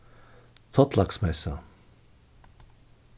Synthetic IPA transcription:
t̪ʰɔt̪lɑksmɛsa

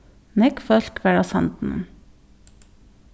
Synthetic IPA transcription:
nɛkfœɾkʋæɽɑsɛ̰nt̪n̩ə̰n

